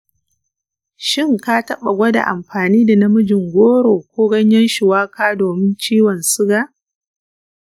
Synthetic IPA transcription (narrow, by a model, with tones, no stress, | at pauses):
ʃɪ˦˨ŋka˦tɐ˦ɓa˨ɡʷɐ˦da̰˨ʔa˨mɸaː˨niː˦da˨nɐ˦mʊ˦d͡ʒɪ˨ŋɡʷoː˦ɾoː˨kʷoː˦ɡɐ˦ɲjɐ˦nʃɪ˨waː˦kaː˦doː˨mɪ˦nt͡ʃiː˦wɔ˨nsʊ˦ɡa˨ʔ